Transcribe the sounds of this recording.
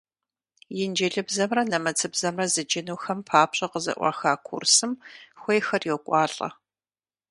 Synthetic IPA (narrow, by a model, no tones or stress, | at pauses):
jɪnd͡ʒɪɮɨbzɐmrɐnɐmɐt͡sʰɨbzɐmrɐzɨd͡ʒɪnuːxɐmpʰaːpɕʼɐqəzɐ̰ʔʷɑ̰ːxaːkʷʰʊ̰rsɨmxʷejxɐrjɛwkʷʼɑːɬʼɐ̰